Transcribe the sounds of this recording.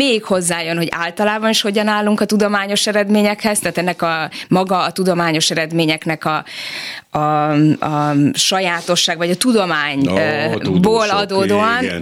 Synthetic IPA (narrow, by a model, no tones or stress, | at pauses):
meːikho̞zːaːjønho̞ɟa̰ːlt̪ɒlaːbɒniʃho̞ɟɒnaːlːuŋkɒt̪ud̪o̞maːɲo̞ʃɛɾɛd̪meːɲɛkhɛz̥t̪aːt̪ɛnːɛkɒmɒɡɒːt̪ud̪o̞maːɲo̞ʃɛɾɛd̪meːɲɛknɛkɒ | ɒɒʃɒjaːt̪o̞ʃːaːɡvɒɟɒt̪ud̪o̞maːɲ | boːlɒd̪oːd̪oːɒn